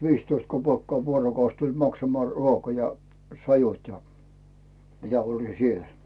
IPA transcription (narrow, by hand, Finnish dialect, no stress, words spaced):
ʋiːstoist kopeˑkːɑː ʋuorokɑus tulʲ mɑksɑmŏɑˑ ruokɑ jɑ sɑjut jɑ jɑ mitæ olʲi siel